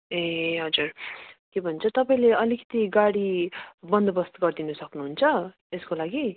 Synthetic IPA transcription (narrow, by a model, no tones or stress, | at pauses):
eɦʌd͡zurkebʱʌnt͡sʰʌt̪ʌpaĩleʌlikʌ̥t̪iɡaɽibʌnd̪ʱʌbʌst̪ɡʌrd̪inusʌknuɦunt͡sʰʌ | eskolaɡi